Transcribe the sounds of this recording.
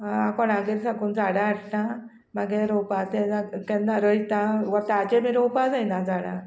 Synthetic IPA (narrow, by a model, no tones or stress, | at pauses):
akɔɽaɡeɾsakuːnd͡zaɽaːʈna | maɡeɾɔpat̪ɛd͡zaɡkɛnːaɾəit̪ãʋat̪ad͡ʑemiɾowpad͡zajnad͡zaɽa̰